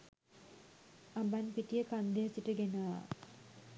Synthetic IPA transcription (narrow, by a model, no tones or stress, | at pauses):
abanpiʈijəkand̪ejasiʈəɡenəa